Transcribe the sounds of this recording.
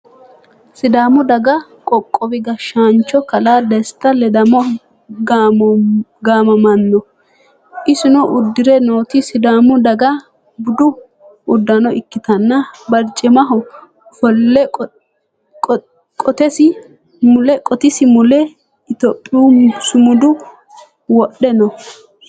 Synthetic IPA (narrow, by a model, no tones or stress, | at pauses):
sɪd̪aːmʊd̪ɐɡɐ | kʼɔkʼːɔbɪɡɐʃaːnt͡ʃːɔkɐlaːd̪ɛst̪ːɐlɛd̪ɐmɔ | ɡmɡaːmɐmɐnːɔ | ʔɪsɪnɔʔʊd̪ːɪɾɛno̞ːt̪ɪsɪd̪aːmʊd̪ɐɡɐ | bʊd̪ʊ | ʔʊd̪ːɐnɔɪkːɪt̪ɐnːɐbɐɾt͡ʃʼːɛmɐɦɔ | fɔlːɛ | kʼɔt̪ɛsɪ | mʊlɛkʼɔt̪ɪsɪmʊlɛ | ɪt̪opʼːɪuːsʊmʊd̪ʊ | wɔɗɛnɔ